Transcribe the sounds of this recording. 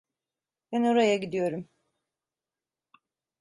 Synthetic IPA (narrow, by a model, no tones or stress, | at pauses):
b̥ɛno̞ɾajaɟid̪ijo̞ɾum